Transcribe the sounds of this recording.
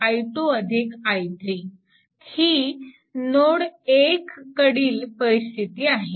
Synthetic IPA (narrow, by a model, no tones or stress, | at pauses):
ajʈoəd̪ʱikajd̪ɾiː | hi | noɽekːəɽiːlpəɾist̪ʰit̪iːaɦe